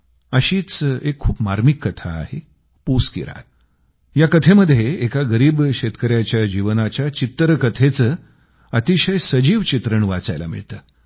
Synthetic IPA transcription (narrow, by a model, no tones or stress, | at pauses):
əɕiːt͡sekʰːuːpmaɾmikːət̪ʰa̰ːɦe | puskḭɾa̰t̪ | jakət̪ʰeməd̪ʱjeːkaɡəɾiːbɕet̪kəɾjat͡ɕjad͡ʑiʋnat͡ɕjat͡ɕit̪ːɾkət̪ʰet͡səː | ət̪iɕəjsəd͡ʑiːʋt͡ɕit̪ɾəɳʋat͡sa̰jla̰mḭɭt̪əː